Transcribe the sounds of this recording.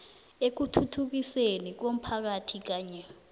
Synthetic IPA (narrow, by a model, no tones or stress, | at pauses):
ek̬utʰutʰuk̬isenik̬om̩pʰak̬atʰik̬aːɲɛ